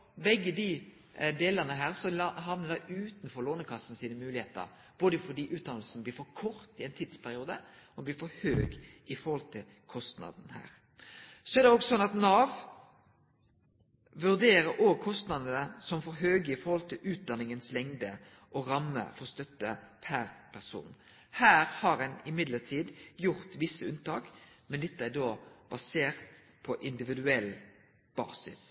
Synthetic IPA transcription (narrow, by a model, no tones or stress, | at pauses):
bɛɡːəd̪i | d̪eːləʁnəɦæːʁsɔɦɑʋnəd̪ɑɪʔʉːt̪nfɔɾloːnəkʰɑsːn̩siːnəmʉːlɪheːt̪ə̰ɾ | b̥oːd̪əfɔɖiːʔʉːt̪̚d̪ɑnəlsnəbliːɾfɔkʰɔɾt̪ɪɛɪnt̪ʰiːd̪spʰæɾɪuːd̪əɔblɪːɾfɔɾhøːɡɪfɔɾhɔlt̪ʰɪl | kʰɔst̪nɑ̰d̪n̩hæ̰ːɾ | sɔɛɾd̪ɛɔkɔsɔnɑt̪nɑːʋ | ʋʉʁd̪eːɾəɾɔɡ̚kʰɔst̪nɑd̪ənəsɔmfɔɾɦøːɡəɪfɔɾhɔlt̪ʰɪlʔʉːt̪̚d̪ɑnːɪŋənslɛŋd̪ə | ʔɔɾɑmːə̰fɔʁst̪œt̪ːəpʰæɾpʰæsṵːn | hæːɾhɑɾɛnɪmɪd̪lət̪ʰiːd̪jʊɾt̪ʋɪsːəʉnt̪ɑːkmɛnd̪ɛt̪ːəæd̪oːb̥ɑseːʁt̪ | pʰɔʔɪnd̪ɪʋɪd̪ʉɛlː | b̥ɑ̰ːsɪs